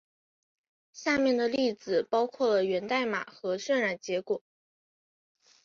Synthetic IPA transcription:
ɕja˥˧mjɛ˥˩nd̪ə˩li˥˩t͡sɹ̩˨˩pɑ˥ʊkʰwɔ˥˩lə˩ɥɛ˧˥nt̪a˥˩ɪma̰˨˩xɤ˧˥ʂə˥˧nɻa˥˨˩nt͡ɕjɛ˧˥kwɔ˨˩˦

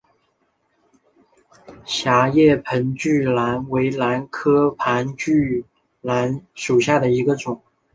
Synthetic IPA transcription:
ɕja˧˥jɛ˥˩pʰə˧˥nt͡ɕy˥˩la˧˥nwe˧˥ɪla˧˥nkʰɤ˥pʰa˧˥nt͡ɕy˥˩ | la˧˥nʂu˨˩ɕja˥˩d̪ə˩i˧˥ɡə˧ʈ͡ʂʊ˨˩˦ŋ

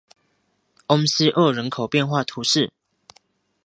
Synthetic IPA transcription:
ʔo˦ŋs̩˦ʔə˥˩ɻə˧˦nkʰo˨˩ʊpjɛ˥˨nxwa˥˨t̪ʰu˨˦ʂɻ̩˥˨

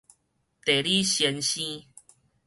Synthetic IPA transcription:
t̪e˨˩li˦ɕjɛ˧˦nɕĩ˦

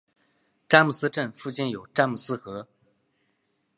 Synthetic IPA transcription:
ʈ͡ʂa˥nmu˨˩sɹ̩˥ʈ͡ʂə˥˧nfu˥˧t͡ɕi˥˩njo˨˩ʊʈ͡ʂa˥nmu˨˩sɹ̩˥xɤ˧˥

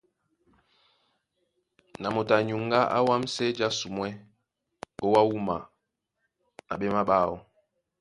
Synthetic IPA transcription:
na˨mo˨ta˨ɲu˨ŋ˦ɡa˦ʔa̰˦wa˦m̩˦sɛ˦d͡ʒa˦su˨mwɛ˦ | o˦wa˦wu˦ma̰˨ | na̰˨ɓɛ˦ma˦ɓaː˦˨ɔ˦

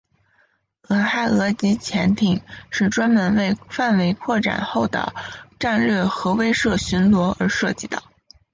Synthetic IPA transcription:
ə˨˩xa˥˩ɪɤ˧˥t͡ɕi˧˥t͡ɕʰjɛ˧˥nt̪ʰi˨˩ŋʂɻ̩˥˩ʈ͡ʂwa˥nmə˧˥nwe˥˧ɪfa˥˩nwe˧˥ɪkʰwɔ˥˩ʈ͡ʂa̰˨˩nxo˥˩ʊd̪ə̰˩ʈ͡ʂa˥˧nlɥɛ˥˩xɤ˧˥we˥ɪʂɤ˥˩ɕy˧˥nlwɔ˧˥ə˞˧˥ʂɤ˥˧t͡ɕi˥˩d̪ə̰˩

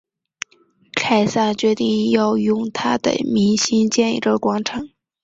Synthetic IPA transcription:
kʰa˥˩ɪsa˥˩t͡ɕɥɛ˧˥t̪i˥˧ŋjɑ˥˧ʊjʊ˥˩ŋt̪ʰa˥d̪ə̰˨˩mi˧˥ŋɕi˥nt͡ɕjɛ˥˧nḭ˧˥˩ʈ͡ʂə˧˥kwɑ˧˥ŋʈ͡ʂʰɤ˨˩˥ŋ

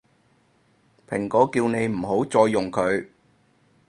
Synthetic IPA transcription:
pʰɪ˨˩ŋkɔː˨˥kiː˧wne˨˧jm̩˨˩ɦo˨˥wt͡sɔː˧jːʊ˨˩ŋkʰɵ˨˧ɥ

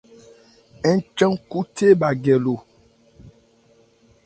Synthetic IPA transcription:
ɛ˦t͡ʃə˦ŋku˦te˦ba˨ɡɛ˨lo˨

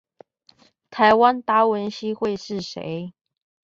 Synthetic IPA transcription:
t̪ʰa˧˥ɪwa˥nt̪a˥wə˧˥nɕi˥xwe˥˧ɪʂɻ̩˥˩ʂḛ˧˥˦ɪ

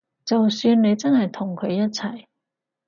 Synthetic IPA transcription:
t͡sɐ˨wsyː˧nne˨˧jt͡sɐ˥nhɐ˨jt̪ʰʊ˨˩ŋkʰɵ˨˧ɥjɐ˥t̚t͡sʰɐ˨˩j

